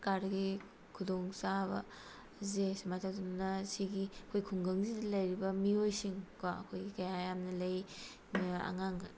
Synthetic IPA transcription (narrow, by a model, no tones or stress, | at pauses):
kaɾɾɐɡi | kʰudoŋsabɐ̰ | zesimatʰawdɐnunɐsiɡiɐkʰojkʰuŋɡɐŋzidɐlɐjɾibɐmiojsiŋkwaɐ̰kʰojɡikɐjajamnɐlɐj | a̰ŋaŋ